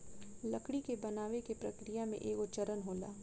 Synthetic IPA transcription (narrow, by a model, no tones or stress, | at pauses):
lɐkɽikebɐnaːʋekepɾɐkɾijamḛ̃ʔeːkot͡ʃɐɾənɦoːla̰ː